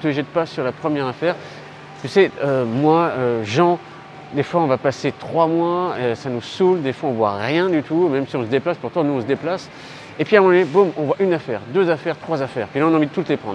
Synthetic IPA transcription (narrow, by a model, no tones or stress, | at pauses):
t̪əʒɛt̪̚pasyʁlapχəmjɛʁafɛʁ | t̪ysɛømwaøʒɑ̃ | d̪efwaɔ̃vapaset̪χwamwaøsanusuld̪efwaɔ̃vwa̰ʁjɛ̃d̪yt̪umɛmsiɔ̃səd̪eplaspuʁt̪ɑ̃nuɔ̃s̬əd̪eplas | epɥiamwanɛbõmɔ̃vwaʔynafɛʁd̪øzafɛʁt̪χwazafɛːʁpilaɔ̃naɑ̃vid̪ət̪ut̪lepχɑ̃d̪ʁ